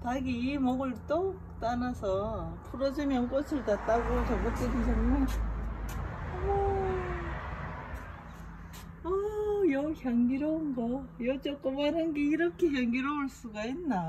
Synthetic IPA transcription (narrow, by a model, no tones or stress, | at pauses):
t͡ɕaɡiːmʌɡɯɭt͈okt͈anasʰʌpʰuɾʌd͡ʑimjʌnk͈ʌsʰɯɭtat̚t͈aɡot͡ɕʌɡɯt͡ɕ͈iɡiɕʰʌnmɯn | ʌ | ʌjʌçjʌŋɡiɾʌunɡʌjʌt͡ɕ͈ʌk͈ɯmanɯnɡeiɾʌkʰeçjʌŋɡiɾʌuɭs͈uɡainːa